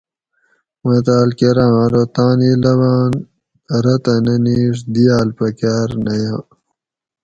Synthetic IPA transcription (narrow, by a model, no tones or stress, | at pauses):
mɐt̪aːlkeɾãːɾot̪ãːnilɐwaːn | ɾɐt̪ɐnɐniːʂ̬d̪ijaːlpɐkaːɾnɐjã